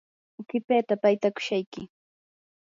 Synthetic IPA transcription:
ʊkɪpeːt̪apajt̪akʊ̥ʃajkɪ

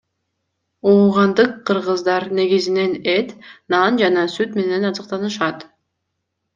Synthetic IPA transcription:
uːʁɑnd̪ɯqʰːɯɾʁɯzd̪ɑɾne̞ɡizine̞net̪nɑnd͡ʒɑnɑsyt̪me̞ne̞nɑzɯqt̪ɑnɯʃɑt̪

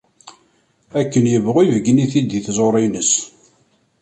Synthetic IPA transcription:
ækːənjəvʁivəɡniθid̪iθzˤoɾˤinəs

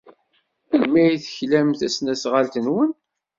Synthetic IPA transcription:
lmæjθçlæmθæsnæsʁalt̪ənwən

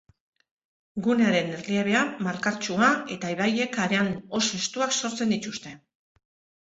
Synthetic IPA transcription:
ɡune̞aɾe̞nerlieβe̞amaɾkaɾt͡ʃuae̞t̪aiβaje̞kaɾe̞ano̞se̞st̪uakso̞ɾt͡se̞nd̪it̪ust̪e̞

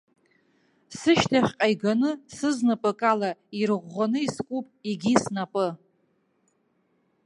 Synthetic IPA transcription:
sɨʃtʰaχʲqʼajɡanɨsɨznapʼɨkʼalairʁʷːanɨiskʷʼupʼiɡʲisnapʼɨ

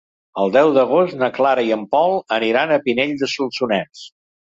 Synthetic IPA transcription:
əlˠd̪ɛwðəɣ̞ostnəklaɾəiəmpɔlˠəniɾanəpineʎd̪əsulˠsunɛs

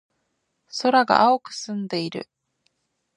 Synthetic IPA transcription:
so̞ɾaɡa̰ʔaokɯ̟̥sɨ̃nd̪e̞iɾɯ̟̰

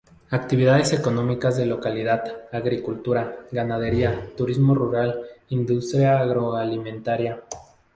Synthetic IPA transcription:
ak̚t̪iβiðaðe̞se̞ko̞no̞mikazðe̞lo̞kaliðaðaɣɾikult̪uɾaɡanað̞e̞ɾiat̪uɾizmo̞ruɾalind̪ust̪ɾjaːɣɾo̞alimẽnt̪aɾja

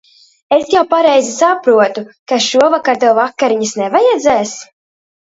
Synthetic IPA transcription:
esjawpaɾɛjzisapɾuɔt̪ukaʃuɔvakaɾt̪uɔvakːaɾiɲisnɛvajɛd̪zɛːs

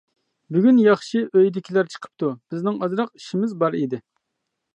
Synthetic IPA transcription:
byɡʲynjɑχʃiʔøjd̪ɪkʲʰilæɾt͡ʃʰə̥qʰə̥p̚t̪ub̥ɪznɪŋɑzɾɑq̚iʃimɪzbɑɾid̪ɪ

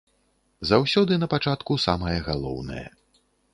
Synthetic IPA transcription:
zawsʲɔd̪ɨnɐpat͡ʂat̪kusamɐjɐɣalˠɔ̰wnɐ̰jɐ̰

